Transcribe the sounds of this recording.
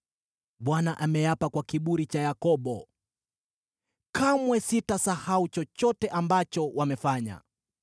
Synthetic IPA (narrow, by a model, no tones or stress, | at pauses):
ɓwanaʔamɛjapakwakiɓuɾit͡ʃajakɔɓɔ | kʰamwɛsitasahaut͡ʃɔt͡ʃɔtɛʔambat͡ʃɔwamɛfaɲa̰